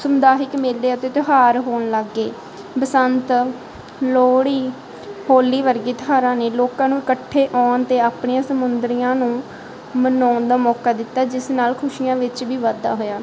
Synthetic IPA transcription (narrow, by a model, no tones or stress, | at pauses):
səmd̪aːɦɪkmeːlːeːat̪eːt̪ɪɦaːɾɦoːɳləɡːeː | bəsənt̪ | loːɽiː | hoːliːʋəɾɡiːt̪ɦaːɾãːneːloːkãːnũːɪkəʈʰːeːʔɔːnt̪eːaːpɳiːãːsəmʊnd̪ɾijãːnũː | mənɔːnd̪aːmɔːkaːd̪ɪt̪ːaːd͡ʒɪsnaːlkʰʊʃijãːʋɪt͡ʃʋiːʋəd̪a̰ːɦoːjaː